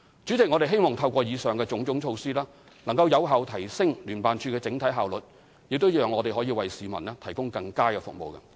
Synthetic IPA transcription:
t͡ʃyː˨˥t͡sɪ˨k̚ŋɔ˨˧ɾe˨˩ɦe˥jmɔː˨˩ŋt̪ʰɐ˧wkʷɔː˧jiː˨˧sœː˨ŋkɛː˧t͡sʊ˨˥ŋt͡sʊ˨˥ŋt͡ʃʰo˧wsiː˥lɛː˥ | nɐ˨˩ŋkɐ˧wjɐ˨˧wɦaː˨wt̪ʰɐ˨˩jsɪ˥ŋlyː˨˩npaː˨nt͡ʃʰyː˧kɛː˧t͡sɪ˨˥ŋt̪ʰɐ˨˥jɦaː˨wlɵ˨t̚ | jɪ˨k̚t̪o˥wjœː˨˩ŋːɔː˨˧t̪e˨ɦɔː˨˥jiː˧wɐ˨jsiː˨mɐ˨˩nlɛː˥t̪ʰɐ˨˩jkʊ˥ŋkɐ˧ŋkaː˥kɛː˧fʊ̰˨k̚mo̰˨wkɐ̰˧

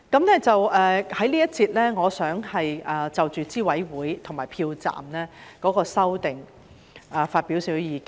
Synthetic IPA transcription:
kɐ˨˦˥mnɛː˥t͡sɐ˨wʔɛː˨˧hɐ˨˥jliː˥jɐ˥t̚t͡siː˧t̚lɛː˥ŋɔː˨˧sœː˨˥ŋhɐ˨jʔɐː˨˩t͡sɐ˨wt͡ʃyː˨t͡siː˥wɐ˨˥jwuː˨˥jt̪ʰŋmaː˨˩jpʰiː˧wt͡sa̰ː˨mnɛː˥kɔː˨˥kɔː˧sɐ˥wt̪ɪ˨ŋ | ʔɛː˨˩faː˧t̚piː˨˥wsiː˨˥wjiː˨˧kː

